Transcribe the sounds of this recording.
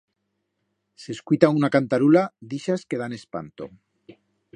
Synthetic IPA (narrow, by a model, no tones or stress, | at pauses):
se̞skwjt̪aunakant̪aɾulad̪iʃaske̞ðane̞spa̰nt̪o̞̰